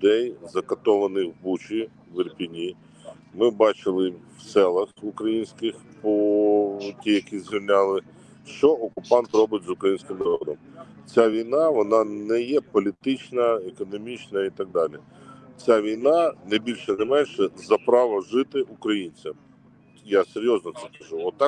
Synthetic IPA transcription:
d̪ɛjzɐkɐt̪ɔʋɐnɪxbut͡ʃi | ʋɪrpʲinʲi | mɪbɑt͡ʃɪlˠɪw̥sɛlˠɐxukɾɐjinʲsʲkɪxpɔ | tʲijɐkʲizʋʲilʲnʲɑlˠɪ | ʃt͡ʃɔɔkʊpɑnt̪rɔbɪt̚ʲzʊkɾɐjinʲsʲkʲɪmnɐɾɔd̪ɔm | t͡sʲaʋʲijnɑʋɔnɑnɛjɛpɔlʲit̪ɪt͡ʃnɐekɔnɔmʲit͡ʃnɐit̪ɐɡ̚d̪ɑlʲi | t͡sʲaʋʲijnɑnɛbʲilʲʃɛnɛmɛnʲʃɛzɐpɾɑʋɐʒɪt̪ɪʔukɾɐjinʲt͡sʲɐm | jaseɾʲjɔznɔt̪sɛkɐʒuɔt̪ːɑk

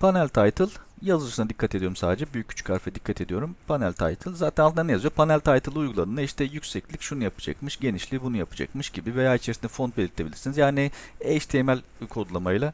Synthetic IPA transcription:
pʰanælʲt̪ʰajt̪ʰɯlˠjazɯɯʃɯnad̪ikʰːat̪ʰe̞d̪ijo̞ɾumsaːd̪ed͡ʒɛbyjyc̚ɟʰyt͡ʃʰy̥cʰaɾfɛd̪ikʰːat̪ʰe̞d̪ijo̞ɾumpʰanælʲt̪ʰa̰jt̪ʰɯlʲˠzaːt̪ʰɛnalˠʰɯnanejazɯjoɾpʰanælʲt̪ʰajt̪ʰɯlˠɯujɡulˠanɯnaiʃt̪ʰɛjycsɛclʲicʃunujapɯ̥d͡ʒa̰kmɯʃɟe̞niʃlʲibunujapʰɯ̥d͡ʒa̰kmɯʃɟibivejaːit͡ʃʰeɾsind̪ɛfo̞nt̪be̞lʲiɾt̪ʰʲːe̞bilʲiɾsinizjaːniɛʃt̪ʰemælʲujkʰod̪ulˠamajlˠa

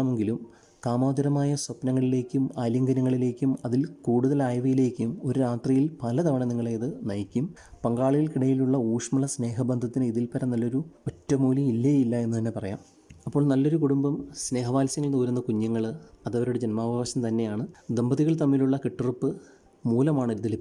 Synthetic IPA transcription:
me̞ŋɡilum | kaːmaːd̪ɐɾɐmaːjɐswɐpnɐŋːɐɭile̞ːkʲːumaːljɐŋɡɐnɐŋːɐɭileːkʲːumɐðilkuːɽuðɐlaːjʋɐjile̞ːkʲːumo̞ɾuɾaːt̪rijilpɐlɐd̪ɐʋɐɳɐniŋːɐɭejɐðɨnɐjikʲːum | pɐŋɡaːɭijilkiɽɐjiluɭːɐuːʂmɐɭɐsne̞ːɦɐbɐnd̪ʱɐt̪ːinɨiðilpɐɾɐnɐlːo̞ɾuotːɐmuːljɐilːeilːɐe̞nːut̪ɐnːe̞pɐrɐja̰ːm | ɐpːo̞ːɭnɐlːo̞ɾukuɽumbɐmsne̞ːɦɐʋaːlsɐŋːɐɭnuːɾunːɐkuɲːɐŋːɐɭɐðɐʋɐɾuɽed͡ʑenmaːbʱaːʋɐɕɐmt̪ɐnːe̞jaːɳɨd̪embɐðiɣɐɭt̪ɐmːiluɭːɐkiʈːɨrupːɨ | muːlɐmaːɳɨiɾud̪ːɐlipː

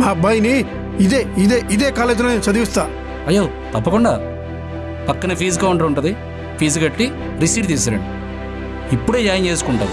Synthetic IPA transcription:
maːbɐjni | id̪eːid̪eːʔid̪eːkaːlet̪loːneːnusɐd̪iʋist̪aː | ɐjːoː | t̪ɐpːɐkuɳɖa̰ː | pɐkːɐnɐpʰiːs̬ɡaːuɳʈɐuɳʈɐd̪i | pʰiːs̬kɐʈːi | ɾisiːɖt̪iːs̬ɐɾɐ̰ɳi | ipːuɽeːd͡ʒaːjɐnt͡ʃeːsu̥kuɳʈɐd̪i

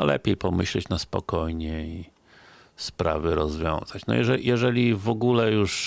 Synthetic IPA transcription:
a̰lɛ̰pʲjejpɔmɘɕlɛt͡ɕnaspɔkɔjɲɛi | spɾa̰vɘɾɔzvʲjɔ̰̃w̃z̥at͡ɕnɔ̰jɛʐɛjɛʐɛlʲivɔɡulɛjuʂ

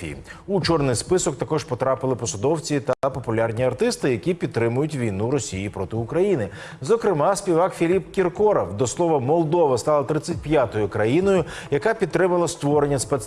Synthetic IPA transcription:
ḭḭ | ut͡ʃɔrnɪjspɪsɔkt̪ɐkɔʒpɔt̪ɾɑpɪlˠɪpɔsɔd̪ɔwt͡sʲit̪ɐpɔpʊlʲɑrnʲiɐrt̪ɪst̪ɪjɐkʲipʲid̪ːɾɪmʊjʊtʲʋʲijnuɾɔsʲijipɾɔt̪ɪʊkɾɐjinɪ | zɔkɾɪmɑsʲpʲiʋɑkfʲilʲipkʲirkɔɾɔwd̪ɔslˠɔʋɐmɔlˠd̪ɔʋɐst̪ɑlˠɐt̪ɾɪt͡sʲːɐt̚ʲpjat̪ɔjʊkɾɐjinɔjʊjɐkapʲid̪̚t̪ːɾɪmɐlˠɐst̪ʋɔɾenʲːɐspɛt̪s

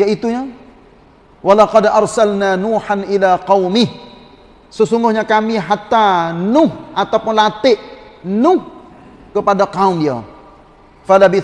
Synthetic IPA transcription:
jaʔit̪uɲa | walaqɑdɑɾˤsalnanuːħanʔilaqɑwmɪh | səsuŋɡʊhɲakamiɦat̪anʊhʔat̪awpʊnlat̪ɪʔnʊh | kəpadakaʊmdia̰ | falabɪ

